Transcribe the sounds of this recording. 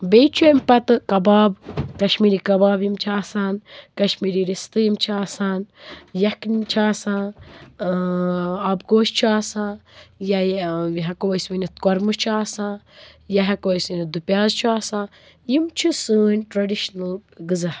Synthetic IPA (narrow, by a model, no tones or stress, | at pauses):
bejt͡ʃʰuempɐt̪ɨkɐbaːbkɐʃmiːɾikɐbaːbjimt͡ʃʰaːsaːnkɐʃmiːɾiɾist̪ɨjimt͡ʃʰaːsaːnjɐknt͡ʃʰaːsãː | abɡoːʃt͡ʃʰuaːsãːjɐɦɐkoːjsʋinit̪̚kɔɾmɨt͡ʃʰaːsãːjɐɦɐkoːjsinid̪upʲjaːzt͡ʃʰuaːsãː | jimt͡ʃʰisɨːnʲʈɾɐɖiʃnɐlɡɨzɐ